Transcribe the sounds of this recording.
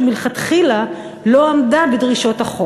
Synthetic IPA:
milχat̪χila | loamdabedʁiʃo̞taχo

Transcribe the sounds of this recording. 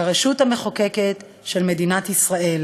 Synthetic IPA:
ʁeʃuthame̞χokeket | ʃelme̞dinatisʁae̞l

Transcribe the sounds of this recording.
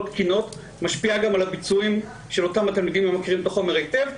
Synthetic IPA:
tkino̞t | maʃpiaɡamalabit͡suim | ʃelo̞tamhatalmid̪imemakiʁimbtaχomeʁejtev

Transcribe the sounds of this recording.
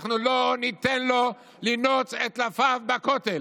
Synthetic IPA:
χnulonit̪enlo̞ | linot͡set̪lafavbakot̪el

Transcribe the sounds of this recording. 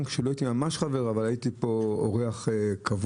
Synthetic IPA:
nkʃeloait̪imamaʃχave̞ʁavalajit̪ipo̞o̰ʁeaχekʰav

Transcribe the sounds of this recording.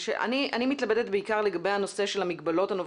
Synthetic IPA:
ʃḛʔa̰niʔa̰nimit̪labed̪et̪beikaʁleɡabe̞jano̞se̞ʃe̞lamiɡbalo̞thanov

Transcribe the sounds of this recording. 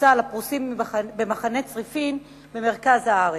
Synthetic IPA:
t͡salapʁusimːibemaχanet͡sʁifin | beme̞ʁkazhaaʁe

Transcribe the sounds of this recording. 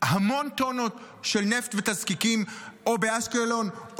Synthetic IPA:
hamo̞nt̪onot̪ | ʃelneft̪vet̪azkikimobeaskelo̞n

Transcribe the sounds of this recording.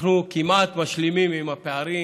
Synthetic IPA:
nukimʔat̪maʃlimimimapeaɾi

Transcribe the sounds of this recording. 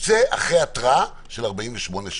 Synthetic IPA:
t͡seʔa̰χʁejatʁaa | ʃelaʁbaiɱveʃmo̞neʃ

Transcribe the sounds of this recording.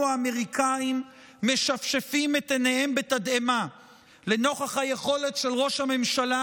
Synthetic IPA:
aːme̞ʁikʰaimː | e̞ʃafʃefimet̪enehembetadema | leno̞χaχhaje̞χo̞le̞tʃe̞lʁo̞ʃhame̞mʃala

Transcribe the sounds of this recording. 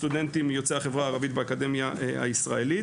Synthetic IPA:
t̪ud̪e̞nt̪imjo̞t͡seaχe̞vʁaaːʁavit̪beakad̪e̞mjaa̰isʁae̞li

